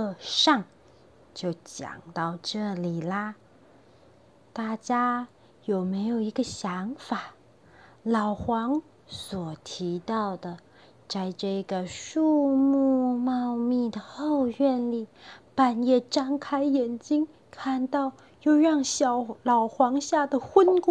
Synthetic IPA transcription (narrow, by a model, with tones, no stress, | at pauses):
ə˥˧ʂɑ˥˩ŋ | t͡ɕjo˥˩ʊt͡ɕjɑ̰˨˩ŋt̪ɑ˥˧ʊʈ͡ʂɤ˥˩li˨˩lə˩ | t̪a˥˩t͡ɕja˥ | jo˨˩ʊme˧˥ɪjo˨˩ʊi˧˥ɡə˧ɕjɑ˧˥ŋfa˨˩˦ | lɑ˨˩ʊxwɑ˧˥ŋ | swɔ˨˩t̪ʰi˧˥t̪ɑ˥˩ʊd̪ə˩ | t͡sa˥˧ɪʈ͡ʂɤ˥˩ɡə˩ʂu˥˧mu˥˧mɑ˥˧ʊmi˥˩d̪ə˩xo˥˧ʊɥɛ˥˧nli˥˩pa˨˩njɛ˥˩ʈ͡ʂɑ˥ŋkʰa˥ɪjɛ˨˩nt͡ɕi˥ŋ | kʰa˥˧nt̪ɑ˥˧ʊ | jo˥˧ʊɻɑ˥˩ŋɕjɑ˨˩ʊlɑ˨˩ʊxwɑ˧˥ŋɕja˥˩d̪ə˩xwə˥nk